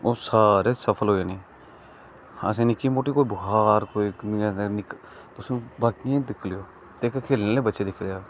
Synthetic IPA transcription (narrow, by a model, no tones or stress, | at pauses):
oːsaːɾeːsəpʰəlɦoːeːnẽː | hasẽːnɪkːiːmoːʈiːkoːiːbʊɦaːɾkoːinɪk | t̪ʊsũːbaːkiẽːd̪ɪkʰlɪjoː | t̪eːkkʰeːlneːleːbətːʃeːd̪ɪkʰleaː